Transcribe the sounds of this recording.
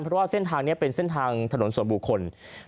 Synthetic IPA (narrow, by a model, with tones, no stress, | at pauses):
npʰɾɔ˥waː˥˩se˥˩nt̪ʰaː˧ŋniː˥˩ɐpe˧nse˥˩nt̪ʰaː˧ŋt̪ʰa˧no˩˦nsu˩˦nbu˨˩kʰːo˧n